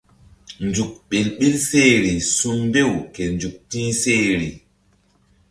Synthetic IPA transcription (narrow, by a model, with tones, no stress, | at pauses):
nd͡ʒu˨k̚ɓe˨lɓi˦lse˦˨ɾi˨su˦mbe˦˨wke˨nd͡ʒu˨k̚tĩː˦se˦˨ɾi˨